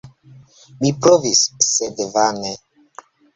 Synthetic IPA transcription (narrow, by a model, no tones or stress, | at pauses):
mipɾovisːed̪vane